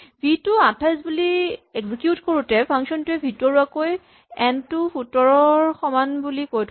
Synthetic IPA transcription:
bʱitʊatʰajzbulieɡzikjutkoɹutɛpʰaŋksɔntʊɛbʱitɔɹuakoj | ɛntufutɔɹɔɹxɔmanbulikojtʰ

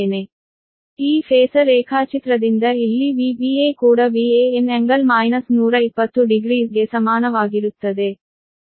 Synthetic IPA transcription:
ne | iːfʰeːsɐɾeːkʰaːt͡ʃit̪ɾɐd̪ind̪ɐilːiʋiːbiekuːɽɐʋiːeeneŋɡɐlmaːjnɐsnuːɾɐipːɐt̪ːuɖiɡɾiːsɡe̞sɐmaːnɐʋaːɡiɾut̪ːɐd̪e̞

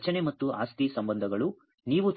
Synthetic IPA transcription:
t͡ʃɐnemɐt̪ːuʔa̰ːst̪isɐmbɐnd̪ʱɐɡɐɭu | niːʋut͡ʃ

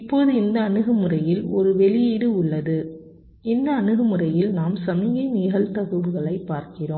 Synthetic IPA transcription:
ɪpːoːðɯɪnd̪ɐːnɯɣɯmɯrɐjɪlɔɾɯʋɛɭɪjiːɽɯʊɭːɐðɯ | ɪnd̪ɐːnɯɣɯmɯrɐjɪlnaːmsɐmɪjɐniːɣɐlt̪ɐɣɯʋɯɣɐɭɐɪpːaːɾkɪroːm

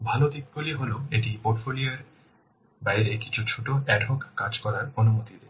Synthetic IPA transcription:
bʱalod̪ik̚ːoliɦoloeʈipoʈfolioeɾ | bajɾeki̥t͡ɕʰut͡ɕʰoʈoɛɖʱokkad͡ʑkɔɾaɾonumot̪id̪e

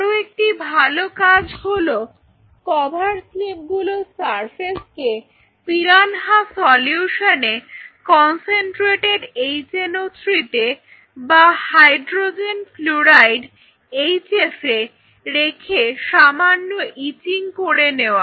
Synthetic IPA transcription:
ɾoek̚ʈibʱalokad͡ʑɦolo | kɔbʱaɾslip̚ɡulosaɾpʰeske | piɾanɦasɔljuʃonekɔnseɳʈɾeʈeɖejt͡ɕenot̪ɾit̪e | bahajɖɾod͡ʑenfluɾajɖ | ejt͡ɕefe | ɾekʰeʃamanːoʔitiŋkoɾeneoa

